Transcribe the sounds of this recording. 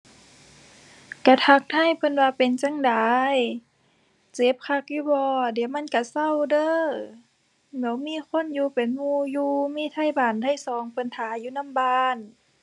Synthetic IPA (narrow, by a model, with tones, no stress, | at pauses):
ka˧˩t̪ʰa˧k̚t̪ʰa˧˥˨jpʰɤ˧˨nwaː˧pe˨nt͡ɕa˧˨ŋdaː˨˦j | t͡ɕe˨˦p̚kʰa˧k̚juː˧˩bɔː˧di˨˦wma˧˥˨nka˧˩sa˧˥˨wdɤː˧˥˨ | mɛː˨˧˦wmiː˧˥˨kʰo˧˥˨njuː˧pe˨nmuː˧juː˧miː˧˥˨t̪ʰa˧˥˨jbaː˨˩nt̪ʰa˧˥˨jsɔː˨˦ŋpʰɤ˧˨nt̪ʰaː˨˦juː˧˨na˧˥˨mbaː˧n